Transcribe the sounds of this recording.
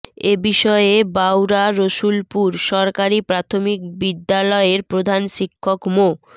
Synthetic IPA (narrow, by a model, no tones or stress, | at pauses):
ebiʃɔebawɾaɾoʃulpuɾʃɔɾkaɾipɾat̪ʰomik̚bid̪ːalɔeɾpɾod̪ʱanʃikʰːokmo